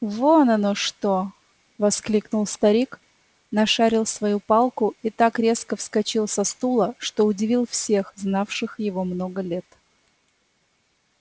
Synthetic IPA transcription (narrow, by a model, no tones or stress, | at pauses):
vonɐnoʂt̪o | vɐsklʲiknʊlˠst̪ɐɾʲik | nɐʂaɾʲɪlˠsvɐjupalˠkʊit̪akɾʲe̞skəfskɐt͡ɕilˠsɐst̪ulˠəʂt̪o̞ʊdʲɪvʲilˠfsʲe̞xznafʂɨxjɪvo̞mno̞ɡəlʲe̞t̪